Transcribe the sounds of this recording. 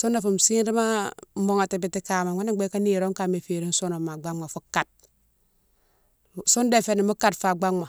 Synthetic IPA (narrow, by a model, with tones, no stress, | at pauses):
su˦nːa˨fu˨m˨si˦nɾi˦ma˦mo˨ŋa˨ti˨b̬i˨ti˨ka˨ma˨a˦ni˦ɡ͡be˦ka˦ni˦˨ɾo˦ŋka˨me˨fi˨ɾi˦n˦so˦no˨ma˨ɡ͡ba˦ŋma˨fu˦ka˨t̚ | su˦nde˦˨fe˦˨ni˨mu˦ka˦˨tfa˨ɡ͡ba˦ŋma˨